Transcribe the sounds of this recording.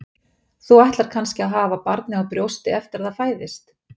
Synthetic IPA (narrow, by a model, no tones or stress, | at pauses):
θuajht̪laɾ̥kʰanscɪaðɦaːvapaɾt̪nɪawpɾjowst̪ɪɛft̪ɪɾaðaðfaːjðɪst̪